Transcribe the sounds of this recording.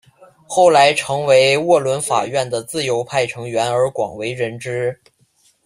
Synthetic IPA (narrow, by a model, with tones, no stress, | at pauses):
xo˥˩ʊla˧˥ɪʈ͡ʂʰɤ˧˥ŋwe˧˥ɪwɔ˥˩lwə˧˥nfa̰˨˩ɥɛ˥˩nd̪ə˩t͡sɹ̩˥˩jo˧˥ʊpʰa˥˩ɪʈ͡ʂʰɤ˧˥ŋɥɛ˧˥nə˞˧˥kwɑ̰˨˩ŋwe˧˥ɪɻə˧˥nʈ͡ʂɻ̩˥